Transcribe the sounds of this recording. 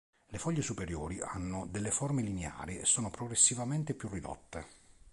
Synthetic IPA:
lefɔʎːesupeɾjoːɾiʔanːod̪elːefɔrmelinea̰ːɾiesːɔːnopɾoɡɾesːivament̪epjurːid̪ɔ̰t̪ːe

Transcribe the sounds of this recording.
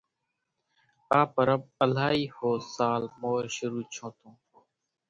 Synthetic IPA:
paːpəɾəb̚əl̤aːiːhoːsaːlmoːɾʃʊɾuːt͡ʃʰõːt̪ʰõː

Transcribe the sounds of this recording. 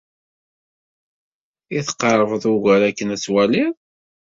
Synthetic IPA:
iθqːɑɾˤəvəðˤuɣæɾækːənæt͡sːwælið

